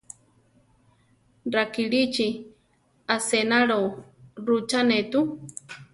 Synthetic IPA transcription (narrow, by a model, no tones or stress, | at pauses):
ɾakiɺit͡ʃi | asenaɺoɾut͡ʃanet̪u